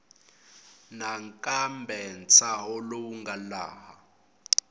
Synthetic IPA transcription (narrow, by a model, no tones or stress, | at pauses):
naŋkʼambʱɛnt͡sʰaɦɔlouŋɡʱala̰ːɦa